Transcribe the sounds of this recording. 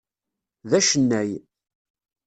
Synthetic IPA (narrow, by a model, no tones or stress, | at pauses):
ðæʃənːæj